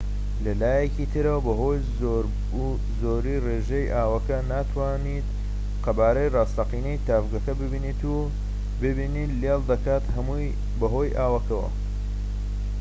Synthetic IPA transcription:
lɐlaːjecit̪ʰɨɾɐwɐbɐɦo̞j | oɾ | zoɾireːʒejʔaːwɐkɐnaːt̪ʰwaːnit̪ | qɐbaːɾɐjrɑːst̪ɐqiːnejt̪aːfɡɐkɐbɨbinit̪u | bɨbiniːt̪ljɑlˠd̪ɐkaːt̪hɐmu | bɐɦo̞jʔaːwɐkɐwɐ̰

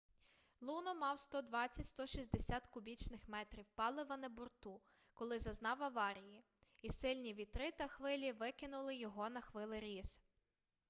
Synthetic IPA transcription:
lˠunɔmɑwst̪ɔd̪ʋɑt͡sʲːɐtʲst̪ɔʃʲizʲd̪esʲat̪kʊbʲit͡ʃnɪxmɛt̪ɾʲiwpɑlˠɪʋɐnɛbʊrt̪u | kɔlˠɪzɐznɑwɐʋɑɾʲiji | isɪlʲnʲiʋʲit̪ɾɪt̪ɐxʋɪlʲiʋɪkɪnʊlˠɪjɔɦɔnɐxʋɪlˠɪɾʲis

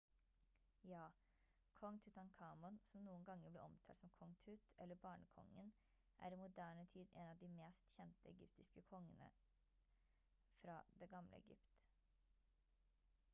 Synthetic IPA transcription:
jɑː | kʰɔŋt̪ʰʉt̪ʰɑnkʰɑːmɔnsɔmnuːənɡɑŋːəblɛ̰ːʔɔmt̪ʰɑːlsɔmkʰɔŋt̪ʰʉːt̪ʰʔɛlːəbɑːɳəkʰɔ̰ŋːən | ʔæ̰ːɾimʊd̪æːɳət̪ʰiːd̪ɛnɑʋd̪imeːst̪çɛnt̪əɛɡʏpt̪ɪskəkʰɔŋːənə̰ | fɾɑ̰ːd̪ɛːɡɑmlə̰ɛ̰ɡʏ̰pt̪

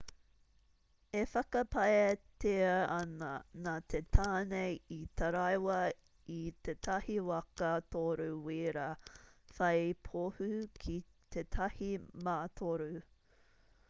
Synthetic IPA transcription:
efɐkɐpɐeteɐɐnɐnat̪ʰetʰaːnejitʰɐɾɐjwɐ | it̪et̪ʰɐhiwɐkɐt̪oɾʉwiɾafɐjpʰohʉkʰi | t̪ʰetʰɐhimaːt̪ʰoɾu

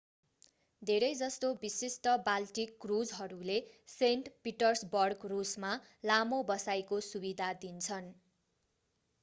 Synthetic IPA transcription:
d̪ʱeɾʌjd͡zʌst̪obisisʈʌbalʈikːrud͡zɦʌɾuleseɳʈpiʈʌrsbʌrkrusma | lamobʌsajkosubid̪ʱad̪int͡sʰʌn

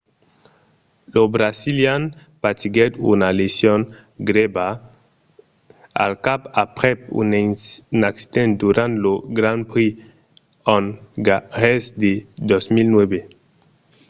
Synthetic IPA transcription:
lobɾasiljan | pat̪iɡɛt̪ṵnalesjɔ̃n | ɡɾeba | a̰lkapapɾɛp̚ṵnnaksi̥d̪ɛ̃nt̪̚d̪uɾãnt̪loɡɾãnpɾi | ɔ̃nɡaʁɛsd̪ed̪ɔsmilnwɛbe

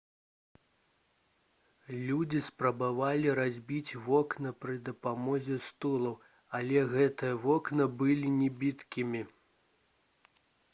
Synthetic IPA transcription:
lʲud͡zʲispɾɐbavalʲiɾazʲbʲit͡sʲvɔknɐpɾɨd̪ɐpamɔzʲɛst̪ulˠɐw | ɐlʲɛɣɛt̪ɨjɐvɔknɐbɨlʲinʲɛbʲit̪kʲimʲi

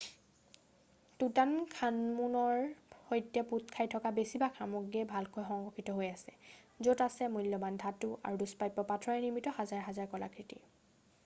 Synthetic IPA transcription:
tutankʰanmunɔɹhojtjɛput̚kʰajtʰɔkabesibaxʰamoɡiɛbʱalkojxɔŋɹɔkʰitɔɦojasɛzotasɛmujlːɔmandʱatʊʔa̰ɹuduspajpːɔpatʰɹɔɛniɹmitɔhazaɹɦazaɹkɔla̰kʰɹitḭ

